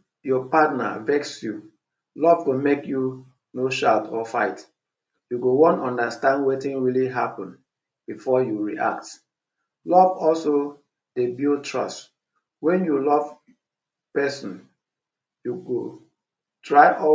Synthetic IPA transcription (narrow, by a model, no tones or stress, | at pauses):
jɔpatna̰vɛksju | lɔv̥tomekju | noʃaʊtʰɔfaɪt | juɡowɔ̃nɔ̃ndəstãndwetĩnɹiliɦapɔ̃n | b̥ifɔjuɹḭʔa̰kt | lɔvɔlso | debitʰɹɔ̰st | wɛ̃njulɔv | pɛsɔ̃n | juɡo | tʰɹaɪʔɔ